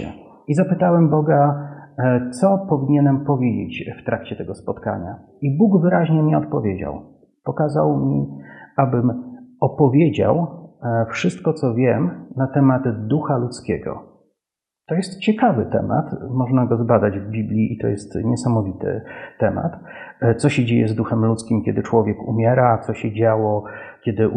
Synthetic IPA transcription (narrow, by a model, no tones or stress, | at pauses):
ɛ̰ | izapɘt̪awɛmbɔɡa | t̪sɔpɔvʲiɲɛnɛmpɔvʲjed͡ʑḛt͡ɕft̪ɾakt͡ɕɛt̪ɛɡɔspɔt̪ka̰ɲa̰ | ibuɡvɘɾaʑɲɛmʲɛɔt̪̚pɔvʲjed͡ʑa̰w | pɔkazawmʲiabɘmɔpɔvʲjed͡ʑa̰wfʂɘst̪kɔt̪sɔvʲjɛmnat̪ɛmad̪d̪uxalut̪skʲɛɡɔ̰ | t̪ɔjɛst̪t͡ɕɛkavɘt̪ɛ̰ma̰t̪mɔʐnaɡɔzbad̪ad͡ʑvbʲiblʲiʔit̪ɔ̰jɛst̪ɲɛsamɔvʲit̪ɘ̰t̪ɛma̰t̪t̪sɔɕɛd͡ʑejɛzd̪uxɛmlut̪skʲimkʲɛd̪ɘt͡ʂwɔvʲjɛkumʲjɛɾat̪sɔɕɛd͡ʑawɔkʲɛd̪ɘ